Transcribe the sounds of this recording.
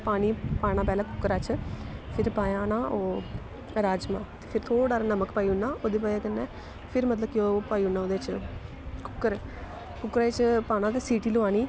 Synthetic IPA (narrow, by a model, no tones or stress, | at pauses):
paːɽ̃iːpaːɽ̃ãːp̬ɛːlaːkʊkːəɾaːt͡ʃpʰɪɾpaːjãːnaːoː | ɾaːd͡ʒmã̰ːt̪e̥ːpʰɪɾt̪ʰoːɖaːɾanəməkpaːiʊnːaːoːd̪eːp̬aːjaːkənːɛː | pʰɪɾmət̪ləb̚kioːpaːiːʊnːaːoːd̪eːt͡ʃ | kʊ̥kːəɾ | kʊkːɾaːɪt͡ʃpaːñaːt̪eːsiːʈiːlʊʋaːñiː